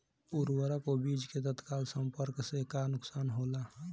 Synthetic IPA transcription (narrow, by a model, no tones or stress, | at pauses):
uɾwəɾəkobid͡ʒket̪ət̪kalsəmpəɾksekanʊksanɦolaɦ